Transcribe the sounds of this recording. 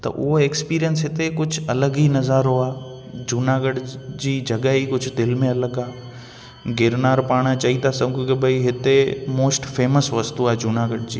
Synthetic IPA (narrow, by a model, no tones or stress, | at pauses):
t̪ɐ̰ʔʊ̰ɦoeːkspiːɾijənsɦɪt̪ekʊd͡ʑʱʊɐləɡinɐzaːɾoaː | d͡ʑuːnaːɡəɽd͡ʑiːd͡ʑʱɐɠəikʊd͡ʑʱʊd̪ɪlmẽɐləɡaː | ɡɪɾnaːɾpaːɽ̃at͡ɕɐit̪ʰasɐ̃ɡʊkebʱɐiɦɪt̪emoːsʈfeːməsʋɐst̪uaːɦd͡ʑuːnaːɡəɽd͡ʑḭː